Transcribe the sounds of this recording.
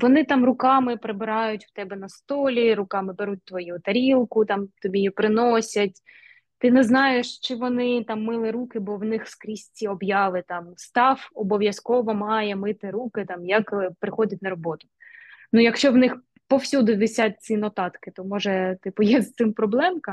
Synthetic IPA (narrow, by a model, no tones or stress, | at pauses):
ʋɔnɪt̪ɑmrʊkɑmɪpɾɪbɪɾɑjʊtʲw̥t̪ɛbɛnɐst̪ɔlʲiɾʊkɑmɪbeɾut̚ʲt̪ʋɔjut̪ɐɾʲilˠkʊt̪ɑmt̪ɔbʲijipɾɪnɔsʲɐtʲ | t̪ɪnɛznɑjeʃt͡ʃɪʋɔnɪt̪ɑmːɪlˠɪɾukɪbɔwnɪxskɾʲisʲtʲiɔbjɑʋɪt̪ɑmst̪ɑfɔbɔʋʲjɐskɔʋɔmɑjɛmɪt̪ɪɾukɪt̪ɑmjɐkpɾɪxɔdʲɐt̚ʲnɐɾɔbɔt̪ʊ̥ | nujɐkʃt͡ʃɔwnɪx | pɔwsʲud̪ʊʋʲɪsʲat̚ʲsʲinɔt̪ɑt̪kɪt̪ɔmɔʒɛt̪ɪpʊjɛzt̪ɪmpɾɔblˠɛmkɐ